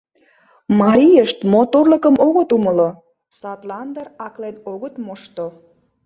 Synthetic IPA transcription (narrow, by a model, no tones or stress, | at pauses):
mɑɾʲijəʃt̪mot̪orləkəmoɣə̆t̪uməlo | sɑt̪lɑnd̪ərɑklenoɣət̪moʃt̪o